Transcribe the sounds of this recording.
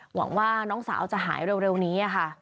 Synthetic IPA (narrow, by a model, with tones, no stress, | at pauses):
wa̰˨˩˦ŋwaː˥˩nɔː˦˥ŋsa̰ː˩˦wt͡ɕa˨˩ɦaː˩˦jɾe˧wɾe˧wniː˦˥ʔa˨˩kʰa˥˩